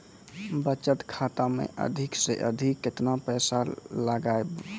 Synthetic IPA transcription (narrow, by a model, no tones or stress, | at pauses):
bət͡ʃət̪kʰat̪amḛʔə̰d̪ʱikseʔə̰d̪ʱikːet̪napɛsaləɡaeb